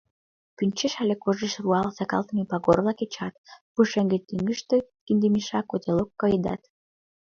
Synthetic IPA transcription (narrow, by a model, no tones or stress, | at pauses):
pynʲt͡ɕeʃælekoʒeʃruɑlsɑkɑ̰lt̪əmepɑɣorlɑket͡ɕɑt̪puʃeŋɡĕt̪iŋɡəʃt̪ĕkind̪emiʃɑkot̪ʲelokːɤjd̪ɑ̰t̪